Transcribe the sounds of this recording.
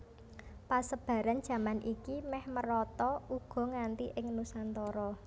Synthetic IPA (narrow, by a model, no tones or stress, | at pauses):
pasəb̥ä̤ɾan̥d͡ʒ̥ä̤manʔikimɛhməɾɔt̪ɔuɡ̥ɔ̤ŋant̪iʔɪŋnusant̪ɔɾɔ